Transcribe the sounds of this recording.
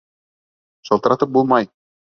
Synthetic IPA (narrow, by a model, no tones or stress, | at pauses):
ʃɑlˠt̪ɤ̆ɾɑt̪ɤp̚bulˠmɑj